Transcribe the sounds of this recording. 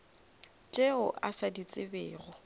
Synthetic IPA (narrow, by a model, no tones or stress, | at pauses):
t͡ʃʼeʊʔasadit͡sʼɪbɛːɣɔ